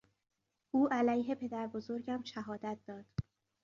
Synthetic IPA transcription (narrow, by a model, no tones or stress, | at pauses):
ʔuːʔælæjɦe̞pʰe̞d̪æɾbo̞zo̞ɾɟæmʃæɦɒːd̪æt̪̚ʰd̪ɒːd̪̥